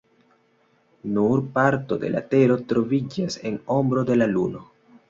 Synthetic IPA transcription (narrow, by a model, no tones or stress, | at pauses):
nuɾpaɾto̞de̞lʔa̰te̞ɾo̞tɾo̞vid͡ʒase̞no̞mbɾode̞laluno̞